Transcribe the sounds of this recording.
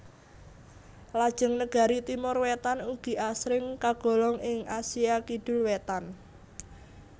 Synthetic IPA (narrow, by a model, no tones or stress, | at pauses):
lad̥ʒ̥ə̤ŋnəɡ̥a̤ɾit̪imʊrwet̪anuɡ̥i̤ʔasɾɪŋkaɡ̥ɔ̤lɔŋɪŋasiakiɖ̥ʊ̤lwet̪an